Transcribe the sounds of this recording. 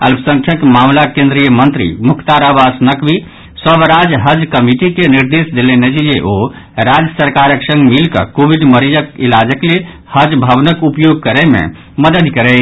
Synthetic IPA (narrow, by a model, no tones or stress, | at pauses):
ə̰lpʰsə̃ŋkʰjəkmamlakẽnd̪ɾijəmənt̪ɾḭmukʰt̪aɾabasnəkbi | səbɾad͡ʒɦəd͡ʒkəmiʈikeniɾd̪esd̪elenet͡ʃid͡ʒeʔo | ɾad͡ʒəsəɾkaɾəksə̃ŋɡmilkə̰kobiɖməɾid͡ʒəkilad͡ʒəkle | həd͡ʒbʱəbnəkupjoɡ̚kəɾɛmḛ̃ | məd̪əd̪kəɾɛ